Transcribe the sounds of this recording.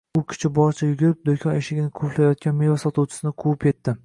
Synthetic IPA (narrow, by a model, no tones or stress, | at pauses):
ʊkʲʰɪ̥t͡ʃʰɪbɒɾt͡ʃʰajʊɡʲɪɾɪp̚d̪okʲʰɒneʃɪɡʲɪnɪkʰoplajɒt̪̚kʲanmevasɒt̪uwt͡ʃʰɪ̥sɪnɪqʰuwɪpʲʰe̞t̪ːɪ